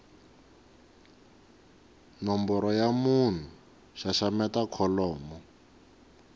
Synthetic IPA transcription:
nɔmbɔɾɔjamun̤u | ʃaʃamɛtakʰɔlɔːmɔ

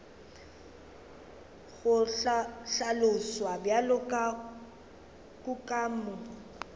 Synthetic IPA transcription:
ɣʊɬalʊswabjalʊkʼa | kʼʊkʼaːmmʊ

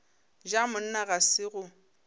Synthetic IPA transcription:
d͡ʒamʊn̩naɣasɪɣʊ

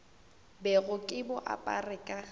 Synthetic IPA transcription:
bɛɣʊkʼɪbʊʔa̰pʼa̰rɪkʼa

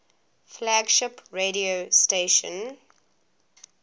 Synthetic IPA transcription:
flaɡʃɪpɹeɾiosteʃə̰̃n

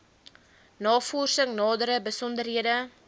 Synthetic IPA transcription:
nɑːfɔːrsəŋnɑːdəɾəbəsɔndərɦiədə

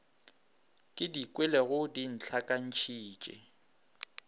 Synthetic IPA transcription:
kʼɪdikʼwɛlɛɣʊdin̩t͡ɬʰakʼan̩t͡ʃʰiːt͡ʃʼɛ̰

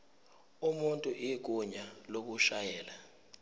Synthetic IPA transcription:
umuntʼuʔik̬uɲalok̬uʃajɛːla

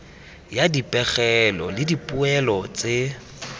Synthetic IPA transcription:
jadipʼɛχɛlɔ̰lɪdipʼuɛlɔt͡sʼe

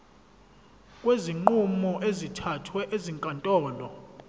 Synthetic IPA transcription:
kʼweziŋ͡ǃumɔʔezitʰatʰwɛʔeziŋkʼantʼɔːlɔ

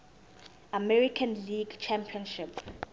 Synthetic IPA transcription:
amɛɹikʰãnliɡt͡ʃʰɛ̃mpʰiɔ̃nʃip

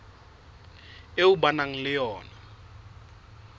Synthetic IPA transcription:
eubanaŋ̩lɪjɔːna

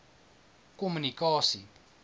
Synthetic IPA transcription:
komunikɔsi

